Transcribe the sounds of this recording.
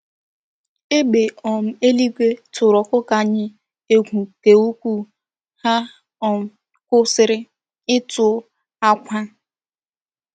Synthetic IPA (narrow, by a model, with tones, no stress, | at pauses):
e˦ɡ͡be˨ɔ˨m̩˦e˦li˦ɡʷe˦tʊ˨ɾɔ˨kʷʊ˦ka˨ɲɪ˦ | e˦ɡʷu˨ke˨u˦kʷu˦ | ha˦ | ɔ˨m̩˦ | kʷʊ˦sɪ˨ɾɪ˦ | ɪ˦tʊ˨˦ | a˦kʷa˦